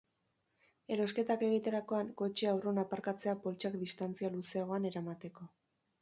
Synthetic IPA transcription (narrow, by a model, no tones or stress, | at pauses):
e̞ɾo̞ske̞t̪ake̞ɣit̪eɾako̞aŋko̞t͡ʃeawronapaɾkat͡se̞apo̞lt͡ʃakd̪ist̪ant͡sialuse̞aɣ̞o̞ane̞ɾamat̪e̞ko̞